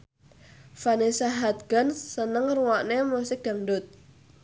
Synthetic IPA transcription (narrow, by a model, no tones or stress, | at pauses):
fanesaɦat̪̚ɡ̥a̤nsənəŋruwaʔnemusɪk̚d̥a̤ŋɖʊt̪̚